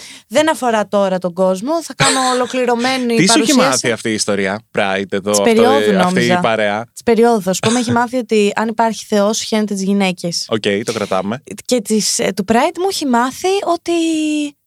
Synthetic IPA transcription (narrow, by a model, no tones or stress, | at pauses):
ðe̞nɐfo̞ɾɐt̪o̞ɾɐt̪o̞ɡo̞zmo̞θɐkɐno̞ːlo̞kliɾo̞me̞niiisɐosisɐsθiɐft̪iːst̪o̞ɾiɐpɾɐit̪eðoispeɾioðuno̞mizɐpɐɾeɐt̪i̥spe̞ɾio̞ðusu̥pomeeçimɐθio̞t̪iɐnipɐɾçi̥θe̞o̞sçenet̪et̪izʝine̞ce̞socejt̪o̞kɾɐt̪ɐ̰mece̞t̪ist̪upɾɐjt̪mueçimɐθio̞t̪i